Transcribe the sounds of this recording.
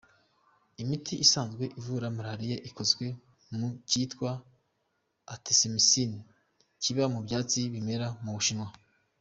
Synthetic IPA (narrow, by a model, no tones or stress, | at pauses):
imitʰiʔːsaːnzɡwe̞ʔivuɾamaɾaɾijaʔikozɡwe̞ | muciːtkwa | tisemisini | ciβamubjaːt͡siβime̞ɾamuβuʃinwa